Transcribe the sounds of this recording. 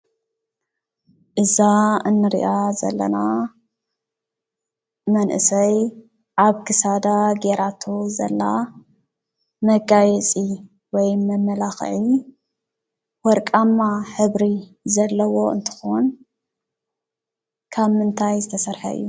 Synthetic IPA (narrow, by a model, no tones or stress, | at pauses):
ʔɨzaɨnːɨɾḭʔazɐ̰lːɐ̰na | mɐnʔɨ̰sɐj | ʔaβkʰɨsad̪aɡeɾat̪ʰozɐ̰lːa | mɐɡajɛt͡sʼi | wɔjmɐmːɐlaxʕi | wɔɾkʼamːaħɨβɾi | zɐlːɐwo̞ɨ̰nt̪ʰɨ̥xon | kʰaβmɨnt̪ʰajzɨt̪ʰɐsɐɾħa̰ɨ̰jːu